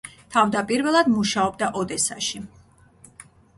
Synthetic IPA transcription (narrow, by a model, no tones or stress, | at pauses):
t̪ʰavd̪apʼiɾvɛlˠad̪muʃaɔb̚d̪aʔɔd̪ɛsaʃi